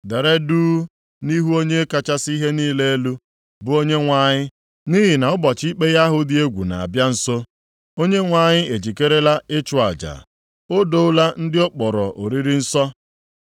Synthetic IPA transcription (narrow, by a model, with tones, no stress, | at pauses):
de˨ɾe˦duː˦ | ni˦ɦu˦o˦ɲe˦e˦ka˦t͡ʃa˦si˦ɦe˦niː˦le˦e˦lu˦ | bʊ˨o˦ɲe˦ŋʷa˨ɲɪ˦ | ni˦ɦɪ˨na˨ʊ˦bɔ˨t͡ʃi˦k͡pe˦ɣa˦ɦʊ˦dɪ˦e˦ɡʷṵ˨na̰˨a̰˨bja˦n̩˦so˦ | o˦ɲe˦ŋʷa˨ɲɪ˦e˨d͡ʒi˨ke˦ɾe˦la˦ɪ˦t͡ʃʊ˨a̰˨d͡ʒa̰˨ | o˦do˦ʊ˦la˦n̩˦dɪ˦o˦k͡pɔ˨ɾɔ˨ʔo˨ɾi˦ɾi˦n̩˦sɔ˦